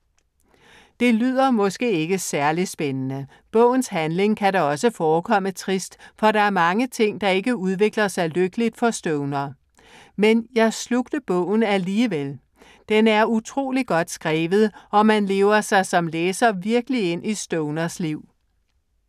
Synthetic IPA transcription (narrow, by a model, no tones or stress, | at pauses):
d̥e̝lyð̰ˠɐmɒ̽sɡ̥e̝̰ːe̝ɡ̥əsæɐlisb̥enənə | b̥ɔ̰̽ʊ̰n̩shænle̝ŋkʰæɾɑɒ̽səfɒːkʰɒ̽m̰ət͡sʰʁisd̥fɒ̽ɾɑ̈æɐmɑ̈ŋət͡sʰe̝ŋ̰d̥ɑ̈e̝ɡ̥əuð̞ˠʋe̝ɡ̥lɐsɑ̈ɪløɡ̥əlid̥fɒ̽sd̥ɔʊnɐ | menjɑ̈ɪsluɡ̥d̥əb̥ɔ̰̽ʊ̰n̩æliːʋel | d̥enæɐut͡sʰʁo̝̰ːliɡ̥ɒ̽d̥sɡ̥ʁɛːʋð̞̩ˠɒ̽mænle̝ːʊɐsɑ̈ɪsɒ̽mleːsɐʋiɐɡ̥əlie̝n̰ʔisd̥ɔʊnɐsliʊ̰